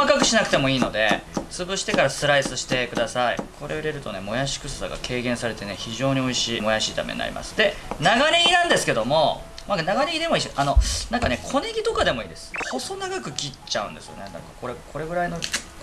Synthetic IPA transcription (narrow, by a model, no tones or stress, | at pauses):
kmakakɯ̟ɕinakɯ̟̥t̪e̞mo̞iːno̞d̪e̞̰t͡sɨbɯɕi̥t̪e̞kaɾasɨɾaisɨɕi̥t̪e̞kɯ̟d̪asaḭkʰo̞ɾe̞ɯɾe̞ɾɯ̟t̪o̞ne̞mo̞jaɕi̥kɯ̟sɨsa̰ɡa̰kʰe̞ːɡẽɰ̃saɾe̞t̪e̞ne̞çiʑo̞ːɲ̟io̞iɕiːmo̞jaɕiːt̪a̰mḛḭna̰ɾʲḭma̰sɨ̥d̪e̞naɡaɲʲeɡʲinãnd̪e̞sɨ̥ke̞d̪o̞mo̞ | manaɡaɲʲiɡʲid̪e̞moiɕʔano̞nãŋkane̞kʰo̞neɡʲit̪o̞kad̪e̞mo̞iːd̪e̞sɨ̥ho̞so̞naɡakɯ̟kʲit͡ɕaɯ̟̃nd̪e̞sɨjo̞̰nenã̰kako̞ɾekʰo̞ɾe̞ɡɯ̟ɾaino̞